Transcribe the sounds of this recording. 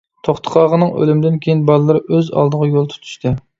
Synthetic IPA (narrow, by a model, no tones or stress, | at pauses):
t̪ʰoχt̪ʰə̥qʰɑʁənɨŋø̰lymɪd̪ɪnkʲʰejinbɑlˠɨlːˠɨɾɨʔøzɑ̰lˠd̪əʁɑjolˠt̪ʰu̥t̪ʰy̥ʃt̪ʰɨ